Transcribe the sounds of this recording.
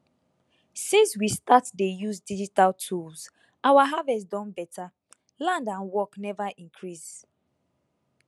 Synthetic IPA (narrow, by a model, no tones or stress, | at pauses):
sĩnswistatdejuzdid͡ʒitaltʰuls | awaɦavɛs̬dɔ̃nbɛtʰa | lãndãnwɔknɛvaʔĩŋkʰɹis